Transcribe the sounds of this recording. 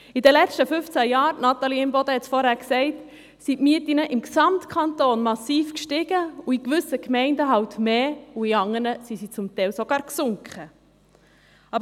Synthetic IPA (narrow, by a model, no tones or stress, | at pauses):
idɛlɛt͡ʃtəfʏft͡sæjɑːɾnɑt̪ɑliɪmbɔd̪əhɛtt͡ssfɔɾhæːɾksɛɪt | sitmiːətinəʔɪmksɑmtkʰɑntoːnmɑsiːfkʃtɪɡ̥əuikʋʏsəkmɛɪndəɦɑwtmeːuiɑŋəɾnəsisit͡sʊmt̪ɛwsoɡ̥ɑːɾksʊŋkχə | ɑːbə